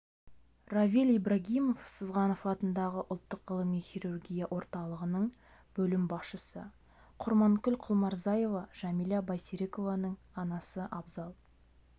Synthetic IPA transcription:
ravʲilʲijbɾaɡʲijmo̞fsəzʁɑnofɑt̪ənd̪ɑʁəʔʊlˠt̪ːəqʁəlˠəmijχʲirurɡʲijaʔo̞ɾt̪ɑlˠəʁənəɴ | bɵlɪmbɑsʃəsə̰ | qʰʊɾmɑŋkʲʏlqʰʊlˠmɑɾzɑje̞vɑʒ̥ɑmilɑbɑjsiɾe̞ko̞vɑnəɴ | ɑnɑsəʔɑbzɑlˠ

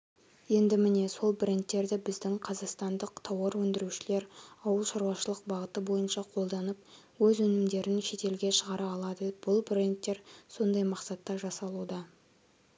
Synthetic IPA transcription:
je̞nd̪ɪmɪne̞so̞lˠbrent̪ːe̞ɾd̪ɪbɪzd̪ɪŋqʰɑzɑqst̪ɑnd̪əq̚t̪ʰɑwɑɾwɵnd̪ɪɾuʃɪle̞ɾɑwəlˠʃɑɾuɑʃəlˠəq̚bɑʁət̪əbo̞jənʃɑqʰo̞lˠd̪ɑnəp̚ | wɵzɵnɪmd̪e̞ɾɪnʃe̞t̪e̞lɡʲe̞ʃəʁɑɾɑːlˠɑd̪əb̥ʊlˠbrent̪ːe̞ɾso̞nd̪ɑjmɑqsɑt̪ːɑʒɑsɑlˠud̪ɑ

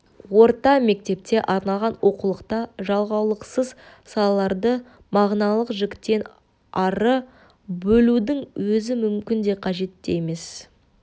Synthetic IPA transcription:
wo̞ɾt̪ɑme̞k̚t̪e̞p̚t̪e̞ʔɑɾnɑlˠʁɑnwo̞qulˠəqt̪ɑʒɑlˠʁɑwlˠəqsəz | sɑlˠɑlˠɑɾd̪ə | mɑʁnɑlˠəqʒɪkʲt̪ːe̞n | ɑɾə | bɵlud̪ɪŋwɵzɪmʏmkʲɪnd̪e̞qʰɑʒe̞t̪ːeeme̞s

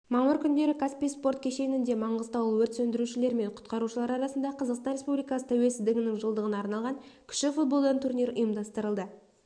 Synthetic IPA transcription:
mɑməɾkʲʰʏnd̪e̞ɾɪkʰaspijspo̞ɾt̪kʲʰe̞ʃe̞nɪnd̪e̞mɑɴʁəzt̪ɑwəlˠwɵɾt̪sɵnd̪ɪɾuʃɪle̞ɾme̞ɴqʰʊ̥t̪qɑɾuʃəlˠɑɾɑɾɑsənd̪ɑqʰɑzɑqst̪ɑnɾʲe̞spublijkɑsə̥t̪ʰæwe̞sɪzd̪ɪɡʲɪnɪŋʒəlˠd̪əʁənɑɾnɑlˠʁɑŋkʲʰʏ̥ʃɪfut̪̚bo̞lˠd̪ɑnt̪ʰuɾniɾʊ̰jəmd̪ɑst̪əɾəlˠd̪ə

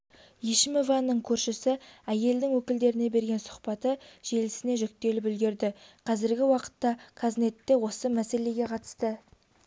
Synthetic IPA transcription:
jiʃɪmevɑnːəɴkʲʰɵɾʃɪsɪæje̞ld̪ɪŋwɵkʲɪld̪e̞ɾɪne̞be̞ɾɡʲe̞nsʊ̥qpɑt̪əʒ̥e̞lɪsɪne̞ʒʏk̚t̪e̞lɪpɪlɡʲe̞ɾd̪ɪqʰɑzɪɾɡʲɪwɑqə̥t̪ːɑkʰazne̞t̪ːe̞wo̞səmæse̞le̞ɡʲe̞qʰɑt̪ə̥st̪ə

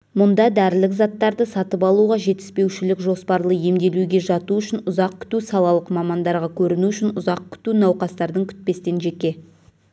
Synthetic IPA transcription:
mʊnd̪ɑd̪æɾɪlɪkzɑt̪ːɑɾd̪əsɑt̪əpɑlˠuʁɑʒe̞t̪ɪ̥spe̞wʃɪlɪkʒo̞spɑɾlˠəje̞md̪e̞luɡʲe̞ʒɑt̪uʏʃɪnʊzɑq̚kʲʰʏ̥t̪usɑlˠɑlˠəqmɑmɑnd̪ɑɾʁɑkʲʰɵɾɪnuʏʃɪnʊzɑq̚kʲʰʏ̥t̪unɑwqɑst̪ɑɾd̪əŋkʲʰʏ̥t̪̚pe̞st̪e̞nʒe̞kʲe̞

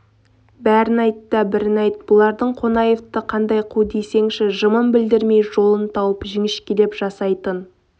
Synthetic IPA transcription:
bæɾɪnɑjt̪ːəbɪɾɪnɑjt̪̚bʊlˠɑɾd̪əɴqʰo̞nɑje̞ft̪əqʰɑnd̪ɑjqʰud̪e̞jse̞ŋʃɪʒəməmbɪld̪ɪɾme̞jʒo̞lˠənt̪ʰɑwəpʒɪŋɪʃkʲʰele̞pʒɑsɑjt̪ən

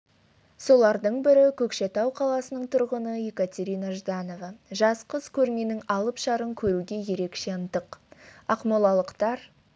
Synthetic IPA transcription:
so̞lˠɑɾd̪əɴbɪɾɪkʲʰɵkʃe̞t̪ɑwqʰɑlˠɑsənəɴt̪ʰʊɾʁənəekat̪ʲe̞ɾijnaʒd̪ɑno̞vɑʒɑsqəzkʲʰɵɾme̞nɪŋɑlˠəpʃɑɾəŋkʲʰɵɾuɡʲe̞je̞ɾe̞kʃe̞ənt̪əqɑqmɑlˠɑlˠəqt̪ɑɾ

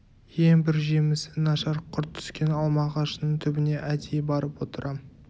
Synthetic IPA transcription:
jeŋbɪɾʒemɪsɪnɑʃɑɾqʰʊɾt̪ʰːʏ̥skʲe̞nɑlˠmɑʁɑʃənəɴt̪ʰʏbɪne̞ʔæd̪ejbɑɾəpwo̞t̪əɾʔɑm

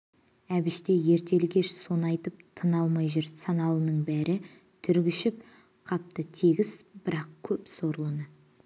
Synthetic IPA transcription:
æbɪʃt̪e̞je̞ɾt̪e̞lɡʲe̞ʃso̞nɑjt̪əp̚t̪ʰənɑlˠmɑjʒɪɾsɑnɑlˠənəɴbæɾʔɪ | t̪ʰʏɾɡʲɪʃɪp̚ | qʰɑp̚t̪ət̪ʰeɡʲɪz̥b̥ɪɾɑqkʲʰɵpso̞ɾlˠənə

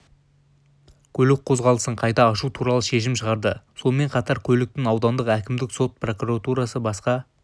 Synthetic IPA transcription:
kʲʰɵlɪk̚qʰo̞zʁɑlˠəsəɴqʰɑjt̪ɑːʃut̪ʰuɾɑlˠəʃe̞ʃɪmʃəʁɑɾd̪əso̞nme̞ɴqʰɑt̪ɑɾkʲʰɵlɪk̚t̪ɪŋɑwd̪ɑnd̪əqækʲɪmd̪ɪkso̞t̪̚pro̞kuɾat̪uɾɑsəbɑsqɑ

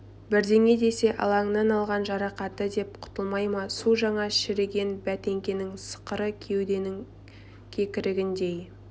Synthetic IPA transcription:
bɪɾd̪e̞ŋe̞d̪e̞se̞ʔɑ̰lˠɑŋnɑnɑlˠʁɑnʒɑɾɑqɑt̪əd̪e̞p̚qʰʊ̥t̪əlˠmɑjmɑsuʒɑɴɑʃɪɾeɡʲe̞nbæt̪e̞ŋkʲenɪŋsə̥qəɾəkʲʰe̞wd̪e̞nɪŋ | kʲʰe̞kʲɪɾɪɡʲɪnd̪e̞j

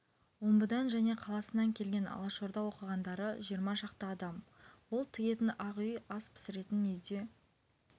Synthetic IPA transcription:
wombəd̪ɑnʒæne̞qʰɑlˠɑsənɑŋkʲʰe̞lɡʲe̞nɑ̰lˠəʃo̞ɾd̪ɑwo̞qəʁɑnd̪ɑɾəʒijəɾmɑʃɑqt̪əɑd̪ɑmwo̞lˠt̪ʰɪɡʲe̞t̪ɪnɑʁʏjɑspʰɪ̥sɪɾe̞t̪ɪnʏjd̪e̞

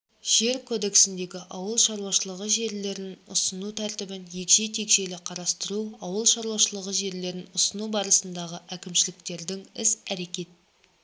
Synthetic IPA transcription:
ʒ̥e̞ɾkʰod̪e̞ksɪnd̪e̞ɡʲɪʔɑwəlˠʃɑɾuwɑʃəlˠəʁəʒe̞ɾle̞ɾɪnʊsənut̪ʰæɾt̪ɪbɪnje̞kʃe̞t̪ʰe̞kʃe̞lɪqʰɑɾɑst̪əɾuɑwəlˠʃɑɾwɑʃəlˠəʁəʒe̞ɾle̞ɾɪnʊsənubɑɾəsənd̪ɑʁəʔækʲɪmʃɪlɪkt̪e̞ɾd̪ɪŋɪsæɾe̞kʲe̞t̪

